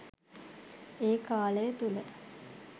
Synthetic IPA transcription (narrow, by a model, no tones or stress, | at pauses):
eːkaːlejət̪ulə